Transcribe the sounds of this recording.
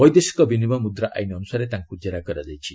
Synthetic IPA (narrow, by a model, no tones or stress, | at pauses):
bɔjd̪esi̥kɔbinibɔmud̪ɾaʔa̰jnɔnusaɾet̪aŋkud͡ʒaɾakɔɾad͡ʒajt͡ʃʰi